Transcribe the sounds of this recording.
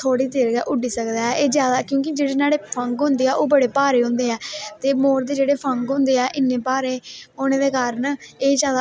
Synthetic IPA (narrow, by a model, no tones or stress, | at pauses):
t̪ʰoːɽiːd̪eːɾɡɛːʔʊɖiːsəkd̪aːɛːʔeːd͡ʒjaːd̪aːkjõːk̬ɪd͡ʒeːɽeːnaːɽeːpʰəŋɡɦʊ̃nd̪eːɛːʔoːbəɽeːpaːɾeːɦʊ̃nd̪eːɛːt̪eːmoːɾd̪eːd͡ʒeːɽeːpʰəŋɡɦʊ̃nd̪eːɛːʔɪnːẽːpaːɾeːoːnẽːd̪eːkaːɾəneːd͡ʒjaːd̪a